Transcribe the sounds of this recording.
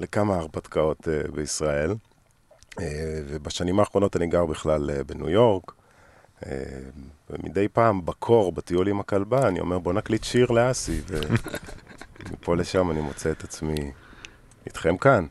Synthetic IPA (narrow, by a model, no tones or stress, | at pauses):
lekamaːʁbat̪kao̞tebeisʁael | evebaʃanimaːχʁo̞no̞taniɡaʁbiχlalebenujo̞ʁk | ḛbemḭdejpaːmbakʰo̞ʁbat̪iulimakalbaːnio̞̰me̞ʁbo̞naklit̪ʃiʁleasive | mḭpo̞leʃamanimo̞t͡seet̪at͡smi | it̪χemkan